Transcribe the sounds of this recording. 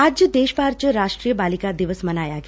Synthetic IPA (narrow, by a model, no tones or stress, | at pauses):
aːd͡ʒd̪eːʃbaːɾt͡ʃɾaːʃʈɾiːjəbaːlɪkad̪ɪʋəsmɐnaːjaɡ